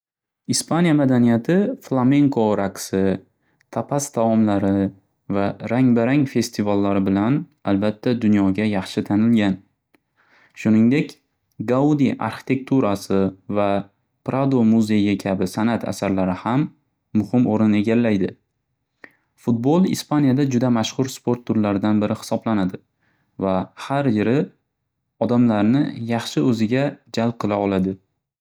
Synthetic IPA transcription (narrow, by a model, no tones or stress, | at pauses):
ispʰanijamad̪anijat̪ʰɪflˠame̞ŋkʰoɾʔaksɪ | t̪ʰapʰast̪ʰavɒmlaɾɪ | vaɾaŋbaɾaŋfe̞st̪ʰivalːaɾɪbɪlanalbat̪ʰːad̪ʊnjɒɡʲajɑχʃɪt̪ʰanɪlɡʲan | ʃʊnɪŋd̪e̞kʲ | ɡaud̪iʔa̰ɾχɪ̥t̪ʰe̞k̚t̪ʰuɾasɪva | pɾʔad̪omuze̞jakʲʰabɪsanat̪ʰa̰saɾlaɾɪhamː | ʊhɪmoɾɪne̞ɡʲalːajd̪ɪ | fʊt̪̚bolˠɪ̰spʰanijad̪ad͡ʒʊd̪amaʃχʊɾspo̞ɾt̪ʰːʊɾlaɾɪd̪anbɪɾɪhɪ̥sɒblanad̪ɪ | vahaɾjɪɾɪ | ɒd̪amlaɾnɪjɑχʃɪɵzɪɡʲad͡ʒalb̚qʰɨlˠaɒlˠad̪ɪ